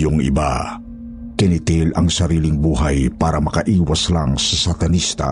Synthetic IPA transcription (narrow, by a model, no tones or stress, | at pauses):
jʊŋḭba̰ | kɛnit̪ilɐŋsɐɾiːliŋbuɦajpaːɾɐmɐkaʔiːwaslaŋsasat̪ɐnist̪a̰